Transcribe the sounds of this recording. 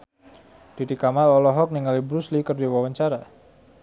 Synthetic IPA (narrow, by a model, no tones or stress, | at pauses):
d̥it̪ikamalɔlɔɦɔk̚niŋalibɾuslikərdiwawaɲt͡ʃaɾa